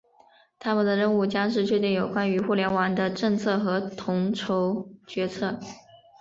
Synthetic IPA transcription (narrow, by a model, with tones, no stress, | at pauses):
t̪ʰa˥mə˨nd̪ə˩ɻə˥˧nu˥˩t͡ɕjɑ˥ŋʂ̬ɻ̩˥˧t͡ɕʰɥɛ˥˧t̪i˥˩ŋjo˨˩ʊkwa˥ny˧˥xu˥˩ljɛ˧˥nwɑ˧˥ŋd̪ə˧ʈ͡ʂɤ˥˧ŋt͡sʰɤ˥˩xɤ˧˥t̪ʰʊ˧˥ŋʈ͡ʂʰo˧˥ʊt͡ɕɥɛ˧˥t͡sʰɤ˥˩